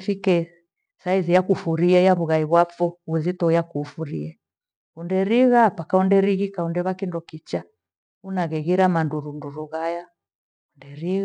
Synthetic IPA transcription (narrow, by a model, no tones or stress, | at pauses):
fikɛ | saizijakufuɾiɛjaβuɣaiβwafɔuzitɔjakuːfuɾḭɛ | undɛɾiɣapakaundɛɾiɣikaundɛβakindɔkit͡ʃa | unaɣɛɣiɾamanduɾunduɾuɣaja | undɛɾiɣ